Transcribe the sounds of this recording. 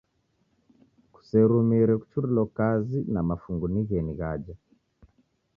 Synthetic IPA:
ku̥sɛɾumiɾɛku̥t͡ʃuɾilɔkazinamafuŋɡuniɣɛniɣad͡ʒa

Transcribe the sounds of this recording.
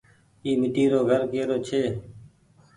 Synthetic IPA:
iːmɪʈiːɾoːɡʱəɾkeːɾoːt͡ʃʰeː

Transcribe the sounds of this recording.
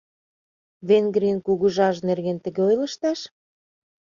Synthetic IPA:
βenɡɾiənkuɣuʒɑʒnerɣent̪ə̆ɣeojlə̆ʃt̪ɑʃ

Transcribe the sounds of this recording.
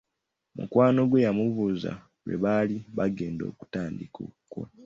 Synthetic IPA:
mṵkwaːno̞ɡwejamuvuza̰ | wḛβaliβaɡe̞ːndo̞̰ːku̥taːndiko̰kwo̰

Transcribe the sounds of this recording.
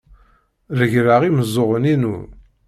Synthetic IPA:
ðəʝɾaʁiməzˤːoʁəninṵ

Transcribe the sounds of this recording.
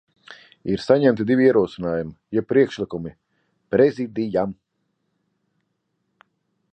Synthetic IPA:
iɾsaɲɛmt̪id̪ivʲiiɛɾuɔsinaːjumijɛpːɾiɛkʃlˠikumi | pɾɛzid̪ijam

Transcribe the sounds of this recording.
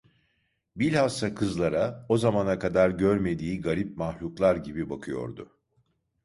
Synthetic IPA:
bilʲhast̪akʰɯzlˠaɾao̞zamanakad̪aɾɟøɾme̞d̪iːɡaɾip̚mahlʲuklˠaɾɟibibakʰɯjo̞̰ɾd̪ʊ̰

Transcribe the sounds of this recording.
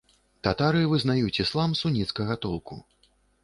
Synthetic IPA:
t̪at̪aɾɨvɨznajut͡sʲislˠamsunʲit̪skɐɣɐt̪ɔlˠkṵ

